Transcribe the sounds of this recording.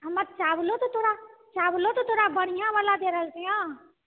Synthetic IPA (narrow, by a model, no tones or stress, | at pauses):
ɦəmət̪̚t͡ʃaːblot̪ot̪ʰoːɾat͡ʃaːblot̪ot̪ʰoːɾabəɽ̤̃ijãʋaːlad̪eːɾəlt̪ejã